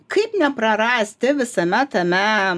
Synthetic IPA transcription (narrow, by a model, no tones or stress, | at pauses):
kʰɐɪpnʲɛpɾɐɾɐsʲt̪ʲɪʋʲɪsɐmʲɛt̪ɐmʲɛ